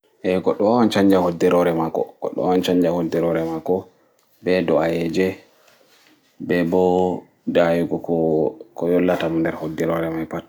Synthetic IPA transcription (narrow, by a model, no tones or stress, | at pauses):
ʔɛɡɔɗːɔawant͡ʃaɲd͡ʒahodːɛɾɔɾɛmakːɔ̰ɡ̥ɔ̰ɗːɔ̰awant͡ʃaɲd͡ʒahodːɛɾɔɾɛmakːɔ | bɛdɔajɛd͡ʒɛ | bɛbɔ | dajuɡɔkɔkɔjɔlːatamndɛɾhodːɛɾɔɾɛmajpat